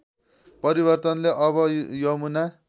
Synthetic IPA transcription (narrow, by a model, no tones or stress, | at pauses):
pʌɾiβʌrt̪ʌnleʔʌβʌjʌmuna